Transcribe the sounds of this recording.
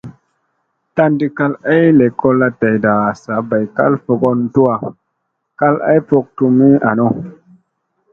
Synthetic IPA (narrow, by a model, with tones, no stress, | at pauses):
ta˦ndi˦˧ka˦la˦jle˨kʰo˧la˧ta˨jda˨sa˨ba˨jka̰˦lfo˧ɡo˧n˦tu˦a˨ | ka˦la̰˦jpo˧k̚tu˧mi˦a˨no˦